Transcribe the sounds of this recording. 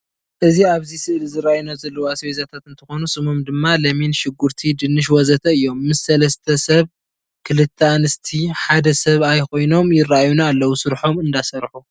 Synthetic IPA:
ʔɨziaβzisɨʔlizɨɾajunazɐlːɐwuasezat̪ʰat̪ɨnt̪ʰɨxo̞nusɨmomd̪ɨmːalɐminʃɪɡuɾt̪ʰid̪ɨnːɨʃ̬wɔzɐt̪ʰɐɨjːo̞mːɨsːɐlɐst̪ʰɐsɐβ | kʰɨlɨt̪ʰːanɨst̪ʰiħad̪ɐsɐβajko̞jno̞mjɪrajunaːlːɐwusɨɾħo̞mɨnd̪asɐɾħu

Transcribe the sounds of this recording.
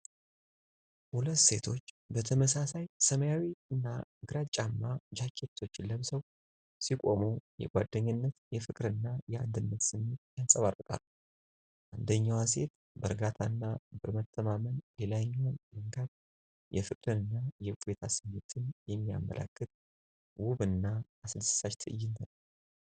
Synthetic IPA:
hulət̪ːse̞t̪ʰo̞t͡ʃː | bət̪ʰəməsasajsəməjawiɨnːaɡɨɾat͡ʃʼamːad͡ʒakʰːe̞t̪ʰːo̞t͡ʃːləβsəw | sikʼo̞mujɛ̰ɡʷad̪ːəɲːɪnːət̪jɛfɨkʼɾɨnːajɛa̰nd̪ɨnːət̪sɨmːet̪jansʼəβarːɨkʼa̰lː | ʔand̪əɲːawase̞t̪ | bəɾɡat̪ʰanːabɨɾmət̪ʰːəmamənlelaɲːwanlɨŋɡad | jɛfɨkʼɾɨnɨnːajɛkʼet̪ʰasɨmet̪ʰɨnjɛmːija̰mːə̰lʔa̰kːɨt̪ʼ | wuβɨnːaː | sɨd̪sɨ̥sat͡ʃt̪ʰɨʔɨjːɪnt̪ʰən

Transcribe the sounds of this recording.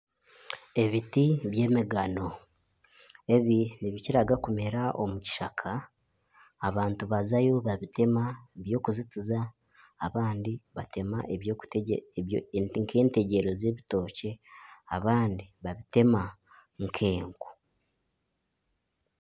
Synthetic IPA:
e̞βitiβje̞ːmiɡano̞ | e̞βiniβiciɾaɡakume̞ɾaʔo̞̰muci̥ʃakʰaː | βaːntuβazajo̞βaβite̞maβjo̞ːkuzitizaː | βaːndiβate̞maʔeβjo | ŋkʰe̞ːnte̞ɟe̞ɾo̞ze̞ːβito̞ːce̞aβaːndiβaβite̞ma | ŋkʰe̞ːŋɡo̥

